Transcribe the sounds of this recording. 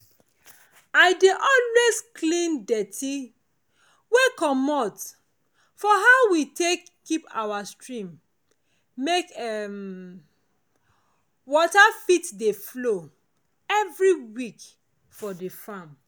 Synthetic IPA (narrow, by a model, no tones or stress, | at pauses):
aɪdeʔɔlwezklĩndɛtʰi | wekɔmɔt | fɔɦaʊwitekʰːipa̰wastɹĩmː | ekɛm | wɔtafitdeflo | ɛvɹiwik | fɔdefãm